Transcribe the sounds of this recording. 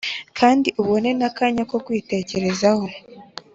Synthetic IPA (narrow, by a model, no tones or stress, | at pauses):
kʰaːndiʔoβo̞ne̞nakaɲako̞kwiːte̞ːce̞ɾe̞zaho̞